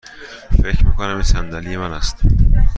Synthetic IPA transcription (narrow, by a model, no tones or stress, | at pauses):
fecɾmḭkonæmisænd̪ælijemænæst̪